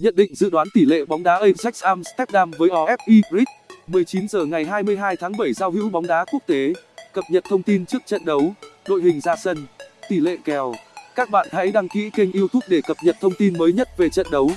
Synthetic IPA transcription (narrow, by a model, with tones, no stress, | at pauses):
ɲə̰˧˨nɗḭ̈˧˨ŋ̟zɨ̰˧˨ɗwaː˨˦nt̪i˧˩lḛ˧˨ɓa˨˦wŋ͡mɗaː˨˦ʔi˧msa˦˥k̚sʔaː˧mst̪ɛ˦˥p̚ɗaː˧mvəː˨˦jʔɔ˨˧ʔɛ˦˥p̚ʔi˧ɾi˦˥k̚mɨ˨˩əjt͡ɕi˨˦nzəː˨˩ŋa˨˩jɦaː˧jmɨ˧əjɦaː˧jt̪ʰaː˨˦ŋɓə˧˩jzaː˧whḭ˧˥wɓa˨˦wŋ͡mɗaː˨˦ku˦˥ək̚t̪e˨˦kə˨˩p̚ɲə˨˩t̚t̪ʰə˧wŋ͡mt̪i˧nt͡ɕɨ˦˥ək̚t͡ɕə̰˧˨nɗə˨˦wɗo̰˧˨jhï˨˩ŋ̟zaː˧sə˧nt̪i˧˩lḛ˧˨kɛ˨˩wkaː˦˥k̚ɓa̰ː˧˨nha̰˧˥jɗaː˧ŋkḭ˧˥ki˧ŋ̟ʔi˧əwt̪ʰʊ˦˥k̚ɗe˧˩kə˨˩p̚ɲə˨˩t̚t̪ʰə˧wŋ͡mt̪i˧nməː˨˦jɲə˦˥t̚ve˨˩t͡ɕə̰˧˨nɗə˨˦w